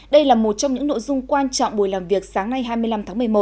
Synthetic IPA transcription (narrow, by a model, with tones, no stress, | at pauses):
ɗə˧jlaː˨˩mo˨˩t̚t͡ɕɔ˧wŋ͡mɲɨ̰˧˥ŋno̰˧˨jzʊ˧ŋ͡mkwaː˧nt͡ɕɔ̰˧˨ŋ͡mɓu˧˩jlaː˨˩mvi˨˩ək̚saː˨˦ŋna˧jɦaː˧jmɨ˧əla˧mt̪ʰaː˨˦ŋmɨ˨˩əjmo˨˩t̚